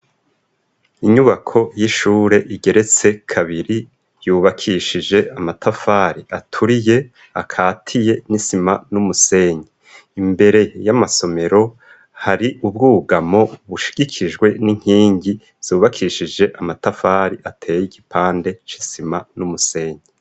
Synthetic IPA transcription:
iɲuβakʰo̞jiʃuːɾeʔiɡe̞ɾe̞t͡se̞kʰaβiɾi | juːβakʰiʃid͡ʒe̞ʔamatʰafaːɾiʔatʰuɾije̞ | akʰaːtʰije̞nisimanumuse̞ːɲe | imbe̞ɾe̞jamaso̞me̞ɾo̞ | haɾiʔubɡuːɡamo̞βuʃi̥ɟ̥ikʰiʒɡwe̞niŋ̥hiːɲɟi | z̥uːβakʰiʃid͡ʒe̞ʔamatafaːɾiʔatʰeːjiɡipʰaːnde̞t͡ʃi̥simanumuse̞ːɲe

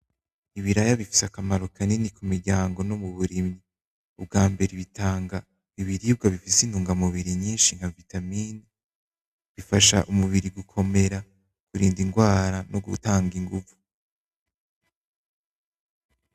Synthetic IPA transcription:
iβiɾajaβifi̥sakamaɾo̞kʰanenikumiɾɟaːŋɡo̞numuβuɾimɲi | ub̚ɡaːmbe̞ɾeβitʰaːŋɡa | βiβiɾib̚ɡaβifisin̥huːŋɡamuβiɾiɲiːnʃiŋhavitamiːni | βifaʃa̰ʔumuβiɾiɡukʰo̞me̞ɾa | kuɾiːndiŋɡwaːɾanoɡṵtaːŋɡiŋɡuvu

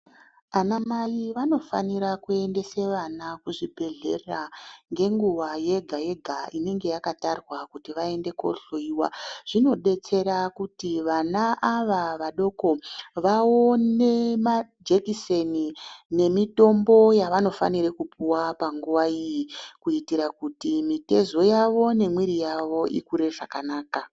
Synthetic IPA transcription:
anamajiʋano̞fa̰niɾakue̞nde̞seʋanakuʐibʱe̞ɮe̞̰rraŋɡe̞ŋɡuʋaje̞ɡʱaje̞ɡʱaine̞ŋɡe̞jakatarwakutiʋae̞nde̞ko̞̰ɬoiwa̰ʐ̥ino̞ɗe̞t͡se̞ɾakutiʋanaʔaʋaʋaɗo̞ko̞ʋaone̞mad͡ʒekisenine̞mito̞mbo̞jaʋano̞fa̰niɾekupiwapaŋɡuʋaijikuitiɾakutimite̞zo̞jaʋo̞ne̞mwiɾijaʋo̞ḭkuɾe̞ʐakanaːka

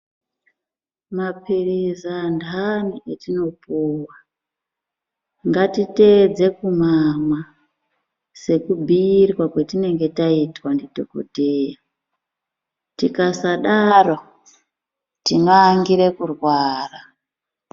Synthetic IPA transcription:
mapʰirizandʱaniʔetino̞puːwa | ŋɡatited͡ze̞kumamwa | se̞kubʱiːrwakwetine̞ŋɡe̞taitwandidʱoko̰dʱeːja | tikasaɗaro | tinaːŋɡiɾe̞kurwaːra

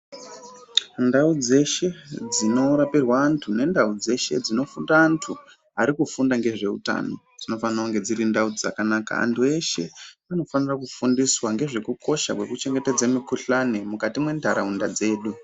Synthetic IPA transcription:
ndaud͡ze̞ʃe̞d͡zino̞ɾapirwaːntʰune̞ndaud͡ze̞ʃe̞̰d͡zino̞fundaːntʰu | aɾikufundaŋɡe̞ʐe̞ṵta̰no̞̰d͡zino̞faniauŋɡe̞d͡ziɾindaud͡zakanaːka̰ːntʰue̞ʃe̞ano̞fanirakufundiswaŋɡe̞ʐe̞kuko̞ʃa̰kwe̞kut͡ʃe̞ŋɡe̞te̞d͡zamikuɬanemukatimwe̞ndʱaɾaundad͡ze̞ːɗu

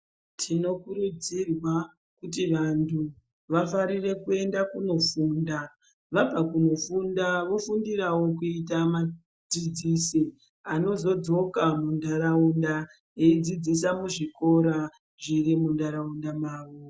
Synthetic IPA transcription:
tʰino̞kuɾud͡zirwa | kutiʋantʰu | ʋafaɾire̞kue̞ndakuno̞fuːnda | ʋab͡vakuno̞fundaʋo̞fundirawo̞kuitama | d͡zid͡zisi | ano̞zo̞d͡zo̞kamundaɾaunda | eid͡zid͡zisamuʐiko̞ɾa | ʐiɾimundaɾaundamaːʋo

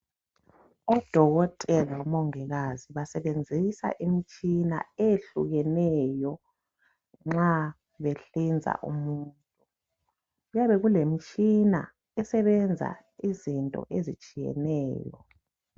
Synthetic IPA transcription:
ɔd̥ʱɔɣɔtʼɛlaumɔŋɛɣaziβasɛβend͡zʱisa̰ʔim̩t͡ʃʼina̰eɬuɣɛnɛjɔ | ŋ͡ǁa | βeɬind͡zʱa̰ʔṵmunntʼu | ɣujaβɛɣulemit͡ʃʼina̰ | ɛsɛβɛnd͡zʱa̰ | izintʼɔ̰ʔezit͡ʃʼijɛ̰nɛːjɔ̰

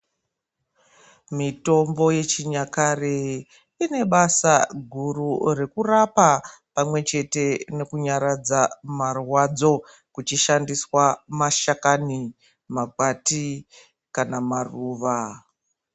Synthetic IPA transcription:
mito̞mbo̞je̞t͡ʃiɲakare | ine̞ɓasaɡʱurure̞kurapapamwe̞t͡ʃe̞te̞ne̞kuɲaɾad͡zamarwad͡zo̞ | kut͡ʃiʃandiswamaʃakani | makati | kanamaruːʋa

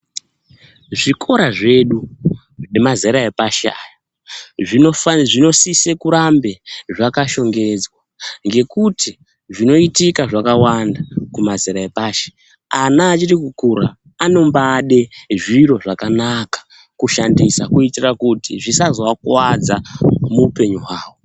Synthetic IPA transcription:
ʐikʰo̞ɾaʐe̞ɗu | nemazeɾaepaʃeaːja | ʐinoʐino̞sisekuɾambe̞ʐakaʃo̞ŋɡe̞d͡zwa | ŋɡe̞kuti | ʐino̞itikaʐakawandakumazeɾaepaːʃe̥ | anaːt͡ʃirikukuɾaː | no̞mbaɗe̞ʐiɾo̞ʐakanakḁ | kuʃandisakuitirakutiʐisazoakwad͡zamuːpe̞ɲuɦaːwo

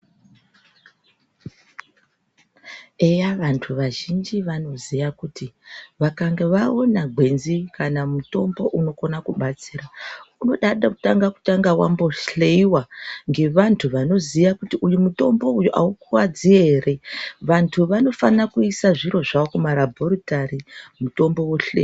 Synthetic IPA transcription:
ejaʋantʰuʋaʒind͡ʒiʋano̞zijakutiʋakaŋɡeʋao̞naɡʱwe̞nzikanamuto̞mbo̞ʔuno̞ko̞nakuɓat͡siːrauno̞ɗaɗaku̥taŋɡaku̥taŋɡawa̰mbo̞ɬeiwaŋɡe̞ʋantʰuʋano̞ziʋakutiʔujumuto̞mbo̞ujuʔaukurwad͡zie̞re̞ʋantʰuʋano̞fanakuisaʐiro̞ʐaokumaɾabʱo̞rutarimuto̞mbo̞woɬḛː

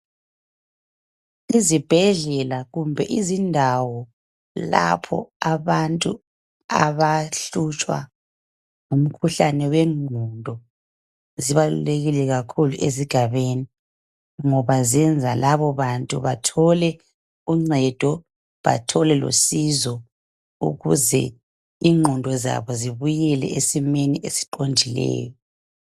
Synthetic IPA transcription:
izib̥ʱɛɮɛlaɣumbʱɛ̰ʔizindʱawɔ | la̰pʰɔ̰aβantʼu | a̰βaɬut͡ʃʼwa̰ | ŋum̩kʰuɬanɛweŋundʱɔ | ziβaluleɣilɛɣakʰuluʔeziɡ̥ʱaβeni | ŋɔβazɛnd͡zʱalaβɔβantʼuβatʰɔlɛ | uŋ͡ǀɛd̥ʱɔ | βa̰tʰɔlɛlo̰sizɔ | ṵɣṵzɛ̰ | iŋ͡ǃʱɔndʱɔza̰βɔziβujɛlɛ̰ʔesimeniʔesi̥ǃondʱilɛ̰ːjɔ

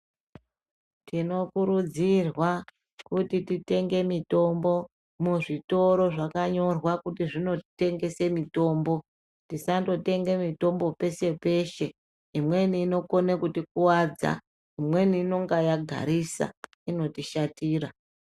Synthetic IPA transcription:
tino̞kuɾud͡zirwa | kutitite̞ŋɡe̞mito̞mbo̞ | muʐito̞ɾo̞ʐakaɲo̞rwakutiʐino̞te̞ŋɡe̞se̞mito̞ːmbo̞ | tisando̞te̞ŋɡe̞mito̞mbo̞pe̞se̞pe̞ʃe̞ | imwe̞niːno̞konekutikuwaːd͡za̰ | imwe̞niːno̞ŋɡajaɡʱa̰ɾisa̰ | ino̞tiʃatiːra

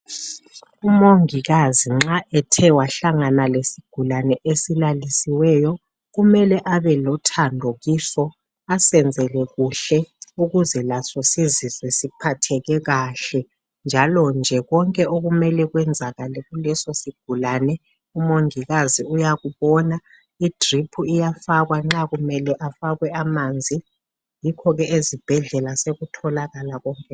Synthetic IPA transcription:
umoŋiɣaziŋ͡ǁaʔɛtʰɛwaɬaŋanalesiɡ̥ʱulanɛʔesilalisiwɛjɔ | ɣumɛlɛʔaβɛlɔtʰandʱɔɣisɔ | asɛnd͡zʱɛlɛɣuɬɛuɣuzɛlasosizizwɛsipʰatʰɛɣɛɣaɬɛ | nd͡ʒʱalɔnd͡ʒʱɛɣɔŋkʼɛoɣumɛlɛɣwɛnd͡zʱaɣalɛɣulɛsɔsiɡ̥ʱulaːnɛ | umoŋiɣaziujaɣuβɔna | id̥ripʰuijafaɣwaŋ͡ǁaɣumɛlɛʔafaɣwɛamand͡zʱi | jikʰɔɣɛezib̥ʱɛɮɛlaseɣutʰɔlaɣalaɣɔːŋkʼɛ

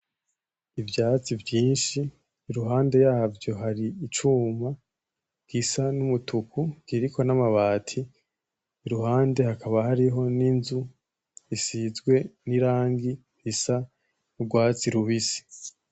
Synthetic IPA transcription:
ivjaːt͡sivjiːnʃiː | ɾuɦaːnde̞jaːvjo̞ɦaɾiːt͡ʃuːma | ɡ̥isanumutukukiɾikʰo̞namaβaːtʰiː | ɾuhaːnde̞hakaβahaɾiɦo̞ninzu | isizɡwe̞niɾaːŋɡi | ɡisa | ubɡwaːt͡siɾuβisi̥

